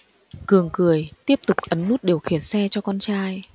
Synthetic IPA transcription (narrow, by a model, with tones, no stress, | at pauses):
kɨ˨˩əŋkɨ˨˩əjt̪i˦˥əp̚t̪ʊ˨˩k͡p̚ʔə˨˦nːu˦˥t̚ɗi˨˩əwxi˧˩ənsɛ˧t͡ɕɔ˧kɔ˧nt͡ɕaː˧j